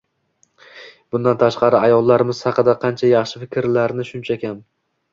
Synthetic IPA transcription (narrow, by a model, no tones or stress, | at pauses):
b̥ʊnd̪ant̪ʰaʃqɑɾɪajɒlˠːaɾɪmɪz̥hɑqɨd̪aqʰɑnt͡ʃʰajɑχʃɪfɪkʲɪɾlaɾnɪʃʊnt͡ʃʰakʲʰam